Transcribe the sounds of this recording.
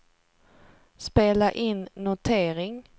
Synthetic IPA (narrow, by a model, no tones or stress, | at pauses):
speːlaʔɪnːʊt̪ʰeːɾɪŋ